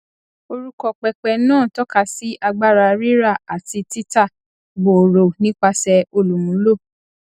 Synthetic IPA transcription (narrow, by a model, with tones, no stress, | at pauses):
o˧ɾu˧kɔ˨k͡pɛ˨k͡pɛ˨nãː˦˨tɔ˦ka˦˨si˦ʔa˧ɡ͡ba˦ɾa˧ɾi˦ɾa˦˨a˨ti˧ti˦ta˦˨ | ɡ͡bo˨ɾo˨nĩ˦k͡pa˧sɛ˧o˧lu˨mũ˨˦lo˦˨